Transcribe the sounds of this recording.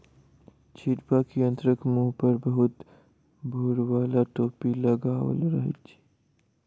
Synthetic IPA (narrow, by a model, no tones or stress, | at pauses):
t͡ʃʰiʈpakiə̃nt̪ɾəkmuːɦpəɾbəɦʊt̪ | bʱoːɽwaːlaʈoːpilɐɡaːwə̰lɾəɦt͡ʃː